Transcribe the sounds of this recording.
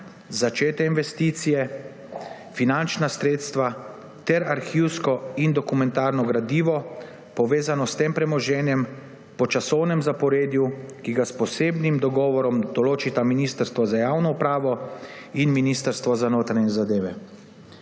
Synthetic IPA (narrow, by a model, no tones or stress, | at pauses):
zat͡ʃeːt̪ɛinʋɛst̪iːt̪sijɛ | finant͡ʃnasɾeːt̪st̪ʋa | t̪ɛɾaɾxiwskɔind̪ɔkumɛ̃nt̪aːɾnɔɡɾad̪iːʋɔ | pɔʋeːzanɔst̪eːmpɾɛmɔʒɛːnjɛm | pɔt͡ʃasɔwnɛmzapɔɾeːd̪jukiɡaspɔseːbnimd̪ɔɡɔːʋɔɾɔmd̪ɔloːt͡ʃit̪aminiːst̪əɾst̪ʋɔzajaːwnɔupɾaːʋɔ | inminiːst̪əɾst̪ʋɔzanoːt̪ɾanɛzad̪eːʋɛ